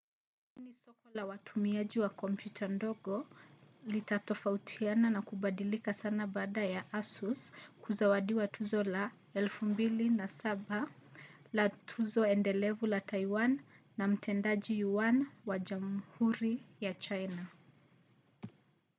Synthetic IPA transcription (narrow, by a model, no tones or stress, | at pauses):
inisɔkɔlawatʰumiaʄiwakɔmpjutʰandɔɠɔlitatɔfautʰiananakuɓaɗilikasanaɓaːɗajaʔasuskuzawaɗiwatʰuzɔla | ɛlfumbilinasaɓa | latʰuzɔɛndɛlɛvulataiwanː | am̩tʰɛndaʄijuwanwaʄamhuɾijat͡ʃajna